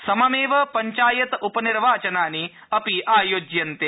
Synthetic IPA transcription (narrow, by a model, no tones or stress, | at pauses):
sɐmɐmeːʋɐpɐɲt͡ʃaːjɐt̪upɐniɾʋaːt͡ʃɐnaːni | ɐpiʔaːjoːd͡ʒjɐnt̪eː